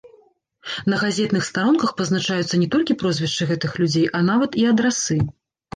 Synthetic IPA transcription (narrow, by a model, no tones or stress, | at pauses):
nɐɣazʲɛt̪nɨxst̪aɾɔnkɐxpɐznat͡ʂajut̪sːɐnʲɛt̪ɔlʲkʲipɾɔzʲvʲɛʂt͡ʂɨɣɛt̪ɨxlʲud͡zʲejʔɐnavɐt̪iɐd̪ɾasɨ